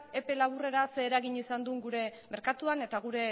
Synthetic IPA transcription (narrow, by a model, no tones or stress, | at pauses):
e̞pe̞laβ̞ure̞ɾase̞ːɾaɣiɲisand̪uŋɡuɾe̞me̞ɾkat̪uane̞t̪aɣ̞uɾe̞